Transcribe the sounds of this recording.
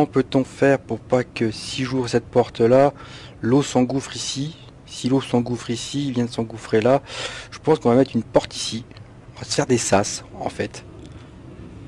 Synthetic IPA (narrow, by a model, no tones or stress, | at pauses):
kɑ̃pøt̪ɔ̃fɛʁpuʁpakəsiʒuʁəsɛt̪̚pɔʁt̪lalosɑ̃ɡufχisi | silosɑ̃ɡufχisivjɛ̃d̪əsɑ̃ɡufχelaʒ̥əpɑ̃skɔ̃vamɛt̪χynpɔʁt̪ʰi̥sĩ | vafɛʁd̪esasɑ̰̃fɛt̪